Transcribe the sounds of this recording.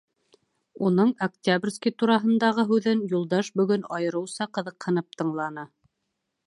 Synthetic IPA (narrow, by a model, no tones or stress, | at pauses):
unɤɴɐktʲabrʲskʲit̪uɾɑɦɤ̆nd̪ɑʁɤɦʉðɘnjulˠd̪ɑʃbɵ̆ɡɵnɑjɤ̆ɾɤ̆wsɑqɤ̆ðɤ̆qhɤ̆nɤp̚t̪ɤ̆ɴlˠɑnɤ